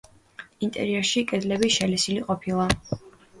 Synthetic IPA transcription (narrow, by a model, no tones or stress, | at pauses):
int̪ʼɛ̰ɾiɛɾʃikʼɛd̪lɛbiʃɛlɛsiliqʼɔpʰilˠa